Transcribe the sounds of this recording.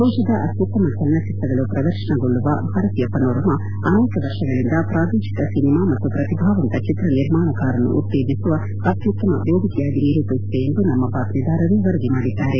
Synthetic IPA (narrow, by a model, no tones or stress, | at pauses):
boːʃɐd̪ɐʔɐt̪jut̪ːɐmɐt͡ʃɐlnɐt͡ʃit̪ɾɐɡɐɭupɾɐd̪ɐɾʃɐɳɐɡoɭːuʋɐ̰bʱaːɾɐt̪ijɐpɐnoːɾɐmɐ | ɐneːkɐʋɐɾʂɐɡɐɭind̪ɐpɾaːd̪iːʃi̥t̪ɐsinimaːmɐt̪ːupɾɐt̪ibʱaːʋɐnt̪ɐt͡ʃit̪ɾɐniɾmaːɳɐkaːɾɐnːṵʔṵt̪ːeːd̪isuʋɐ | ɐt̪ʰjut̪ːɐmɐʋeːd̪ʱikɛjaːɡiniːɾuːp̪ɐsit̪eend̪unɐmːɐbaːkɾid̪aːɾɐɾuʋɐɾɐd̪imaːɽid̪ːaːɾe